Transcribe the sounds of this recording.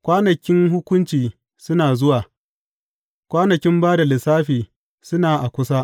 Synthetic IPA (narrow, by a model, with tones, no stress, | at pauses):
kʷaː˦nɐ˨kʲɪ˦ŋɦʊ˦kʷʊ˦nt͡ʃiː˨ | sʊ˦naː˨zʊ˦waː˨ | kʷaː˦nɐ˨kʲɪ˦mbaː˦da˨lɪ˨saː˦ɸiː˨ | sʊ˦naː˨ʔa˨kʷʊ˦sa˦ʔ